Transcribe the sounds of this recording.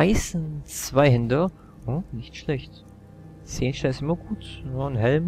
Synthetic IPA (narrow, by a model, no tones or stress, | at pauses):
aɪsnt͡sv̥aɪhɪndɐ | ʊnɪçtʃlɛçt | seːnʃɛsɪmɐɡuːtanɦɛlm